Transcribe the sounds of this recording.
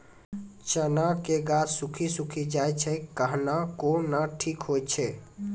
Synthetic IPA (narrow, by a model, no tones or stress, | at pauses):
t͡ʃənakeɡad͡ʒsukʰisukʰid͡ʒajt͡ʃʰɛkəɦnakonaʈʰikɦojt͡ʃʰɛ